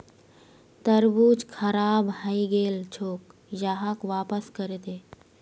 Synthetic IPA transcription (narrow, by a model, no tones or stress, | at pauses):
t̪əɾbuːt͡ʃkʰɐɾaːbhəiɡeːlt͡ʃʰoːk | jaːɦakʋaːpəskəɾet̪eː